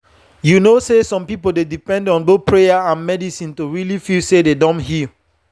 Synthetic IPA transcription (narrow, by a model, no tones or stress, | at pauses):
junosesɔ̃mpipoldedipɛ̃ndɔ̃nboθ̚pʰɹejaãnmɛdisĩntuɹilifilsededɔ̃nɦi